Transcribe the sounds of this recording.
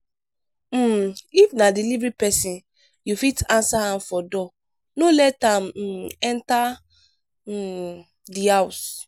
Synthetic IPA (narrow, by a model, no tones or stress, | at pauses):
m̩ifnadilivɾipɛsĩn | jufitãnsahãmfɔdɔ | nolɛtãm̩ɛ̃nta | dihaws